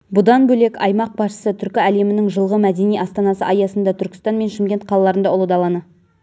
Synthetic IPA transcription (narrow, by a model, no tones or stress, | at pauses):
bʊd̪ɑnbɵlekʲɑ̰jmɑq̚bɑsʃə̥sət̪ʰʏɾkʲɪæle̞mɪnɪŋʒəlˠʁəmæd̪e̞nijɑst̪ɑnɑsəʔɑjɑsənd̪ɑt̪ʰʏɾkʲɪ̥st̪ɑnme̞nʃɪmɡʲe̞nt̪̚qʰɑlˠɑlˠɑɾənd̪ɑolˠəd̪ɑlˠɑnə